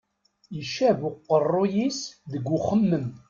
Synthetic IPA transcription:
jəʃævʊqːərˤːʊjisðəɡʷːʊχəmːəm

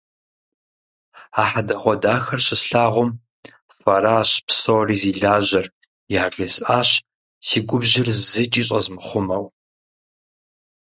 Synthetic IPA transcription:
aːħadɐχʷɔdaːxɐrʃɪsɬaːʁʷʊm | fɐɾaːɕpsoriːziːɮaːʑɐr | jaːresaːɕ | siːɡʷʊbʑɪrzɨt͡ʃʼiːɕʼɐzmɨχʷʊmɐw

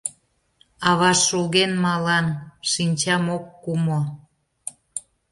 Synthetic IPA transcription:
ɑβɑʃulɣenmɑlɑnʃinʲt͡ɕɑmokːumo

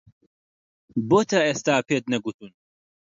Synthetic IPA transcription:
boːt̪ʰɐeːst̪aːpeːt̪̚nɐɡut̪uːn

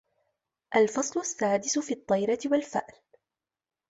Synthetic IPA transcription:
ʔalfɑsˤlʊsːaːd̪ɪsʊfiːɑt̪ˤːɑjɾɑt̪ɪwalfa̰ʔl

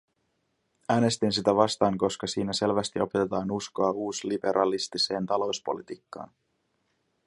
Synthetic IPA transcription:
æːne̞st̪insit̪æʋɑst̪ɑːŋko̞skɑsiːnæse̞lʋæst̪io̞pe̞t̪et̪ɑːnusko̞ɑuːslibe̞ɾʔɑlist̪ise̞ːnt̪ɑlo̞wspo̞̰lit̪iːkːɑ̰ːn

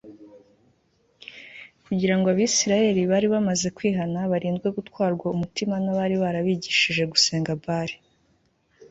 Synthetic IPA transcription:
kuɟiɾaŋɡoaβisiɾaje̞ɾiβaːɾiβamaze̞kwiːɦanaβaɾiːnzɡwe̞ɡutwaːɾɡwaumutimanaβaɾiβaɾaβiːɟiʃiʒe̞ɡuse̞ːŋɡabaːɾi

